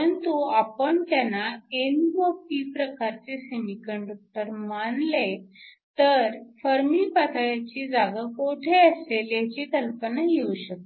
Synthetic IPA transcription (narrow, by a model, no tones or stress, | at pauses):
pəɾənt̪uapəɳt̪janːaenbopiːpɾəkaɾt͡sesemikəɳɖuk̚t̪əɾmaɳle | t̪əɾfəɾmipat̪ʰajat͡ɕid͡zaɡakoʈʰeəseljat͡ɕiːt̪əlpənajeuɕək̚t̪e